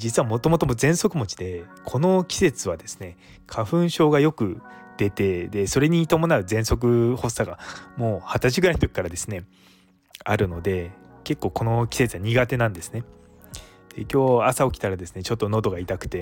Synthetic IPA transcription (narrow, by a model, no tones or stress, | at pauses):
d͡ʑit͡sɨβamo̞t̪o̞mo̞t̪omozẽ̞ɰ̃so̞kɯ̟mo̞t͡ɕid̪e̞kʰo̞no̞kʲi̥se̞t͡sɨβad̪e̞sɨ̥ne̞ | kʰaɸɯ̟̃ɰ̃ɕo̞ːɡajo̞kɯ̟ | d̪e̞t̪e̞d̪e̞so̞ɾe̞ɲ̟it̪o̞mo̞naɯ̟zẽ̞ɰ̃so̞k̬ɯ̟ho̞sːaɡamo̞ːhat̪at͡ɕiɡɯɾaiɲi̥t̪o̞k̚ʲi̥kaɾad̪e̞sɨne̞ | aɾɯ̟no̞d̪e̞ke̞kːo̞ːko̞no̞kʲi̥se̞t͡sɨβaɲ̟iɡat̪e̞nãnd̪e̞sɨ̥ne̞ | d̪̥e̞kʲo̞ːasao̞kʲi̥t̪aɾad̪e̞sɨne̞t͡ɕo̞t̪ːo̞no̞d̪o̞ɡait̪akɯ̟̥t̪e̞